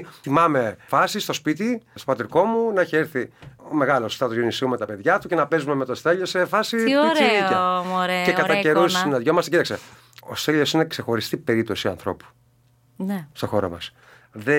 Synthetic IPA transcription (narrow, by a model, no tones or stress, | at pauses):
θimɐme̞fɐsist̪o̞spit̪ist̪o̞pɐt̪iɾko̞munɐiçeeɾθime̞ɣɐlo̞st̪ɐt̪oenisumet̪ɐpe̞ðʝɐt̪ucenɐpe̞zumemet̪ost̪eʎo̞sefɐsioɾeieɾecekɐt̪ɐceɾussinɐðʝomɐst̪ecit̪ɐkse | o̰st̪eʎo̞sine̞kse̞xo̞ɾist̪ipe̞ɾipt̪o̞siɐ̰nθɾo̞̰pu̥ | nest̪o̞xo̞ɾo̰mɐ̰s | ðe